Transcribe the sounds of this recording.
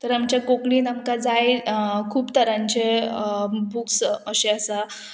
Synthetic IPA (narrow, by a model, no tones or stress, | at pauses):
t̪əɾamt͡ɕjakokɽiːnamkad͡zajkʰuːpt̪əɾãɲt͡ɕe | buksəɕeəsa